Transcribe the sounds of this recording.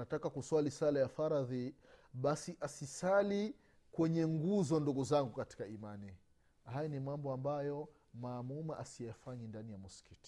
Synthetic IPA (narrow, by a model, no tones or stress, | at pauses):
natakakuswalisalajafaɾaði | ɓasiʔasisali | kwɛɲɛŋɡuzɔnduɡuzaŋɡukati̥kaimani | hajanimambɔambajɔ | maːmumaʔasijafaɲindanijamuskiti̥